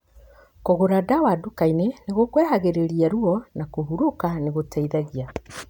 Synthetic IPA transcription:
koɣoɾadawadukaineneɣokwɛhaɣeɾeɾiaɾuɔnakoɦuɾokaneɣotʰaiðaɣia

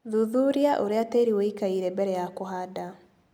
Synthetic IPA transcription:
ðuðuɾiaʔoɾeateɾiweikaiɾɛbɛɾɛjakoɦada

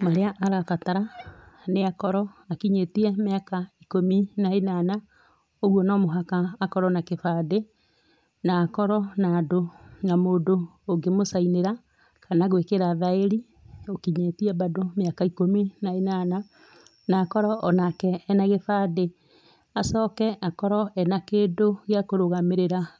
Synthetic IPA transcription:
maɾeaʔaɾakataɾaneakɔɾɔakiɲetiɛmeakaikominaenana | oɣwɔnɔmoɦakaːkɔɾɔnakefaːde | naːkɔɾɔnaːdonamoːdoː | ŋɡemosaineɾa | kʰanaɣwekeɾaðaeɾi | okiɲetiɛbadomeakaikominaenana | naːkɔɾɔʔːnakɛːnaɣefade | asɔkɛʔakɔɾɔɛnakeːdoɣeakoɾoɣameɾeɾa

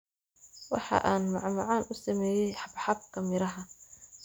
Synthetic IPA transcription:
wɑ̰ħɑ̰ʔaːnmɑʕmʊʕɑːnʔʊsɐmɛːjɛjħɑbħɑb̚kʰɐmɪɾɐɦɐ

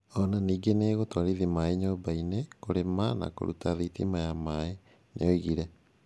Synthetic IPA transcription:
ɔnaniːɡeneːɣotwaɾiðimaeɲoːbainekoɾemana̰ko̰ɾṵtaðitḭmajamae | nḛjɔiɣiɾɛ

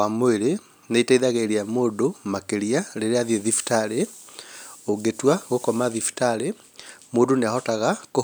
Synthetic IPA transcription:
amoeɾe | neitaiðaɣeɾiamoːdomakeɾiaɾeɾeaðjeðifi̥taɾe | oɡetwaɣokɔmaðifi̥taɾe | moːdoneahɔtaɣako

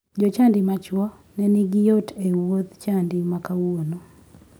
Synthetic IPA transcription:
d͡ʒɔt͡ʃandɪmat͡ʃwɔ | nɛniɡijotewot̪t͡ʃandimakawono

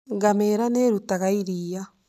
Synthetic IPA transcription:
ɡameːɾaneɾutaɣaiɾiːa

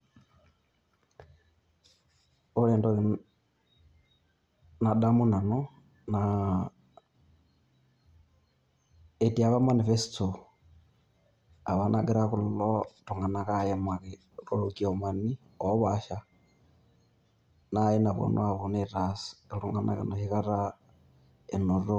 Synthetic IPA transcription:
olendo | nadamunano | na | etiaβamanifestʰo | aβanʔaɡeɾakululotuŋɡanakajemake | kolokiomani | oβaʃa | najinaβo̰nʔo̰aβoneɾasiluŋɡana̰kḭnohikaɾa | enoɾo

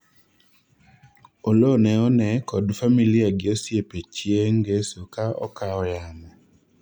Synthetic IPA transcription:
olonɛɔnɛkɔdfamiliaɡɪosjepet͡ʃjeŋɡesokaɔ̰kaɔjamɔ

